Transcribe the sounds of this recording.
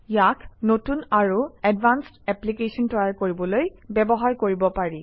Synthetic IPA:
jakʰnotunaɹuɛdbanstɛplikesɔntɔjaɹkoɹibɔlojbɛbɔɦaɹkoɹibɔpaɹi

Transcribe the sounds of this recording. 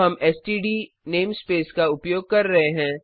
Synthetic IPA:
ɦɐmɛːsʈiːɖi | neːmspeːskaʊpjoːɡ̚kɐɾːɐɦeɦɛ̃ː

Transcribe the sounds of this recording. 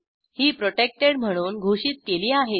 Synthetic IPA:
hiːpɾoʈek̚ʈeɽm̤əɽ̃uːnɡʱoʂiːt̪̚keliːaɦe

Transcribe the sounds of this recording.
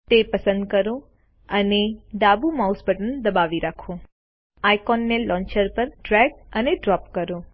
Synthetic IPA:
t̪epəsənd̪̚kəɾõ | əneɖ̪abumausbʱəʈənd̪əbaʋiɾakʰõ | ajkɔnːelɔ̃ɲt͡ʃəɾpəɾʈɾɛɡəneɖɾɔpkəɾõ

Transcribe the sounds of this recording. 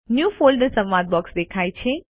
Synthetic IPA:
njuːfoːlɖəɾsɐ̃ʋʋad̪̚bɔksd̪ekʰaːjt͡ʃʰe

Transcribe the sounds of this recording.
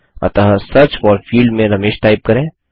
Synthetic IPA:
ɐ̰t̪ɐɦasɐɾt͡ʃfɔːɾfiːlɖmẽɾɐmeːʃʈaːɪp̚kɐɾẽː

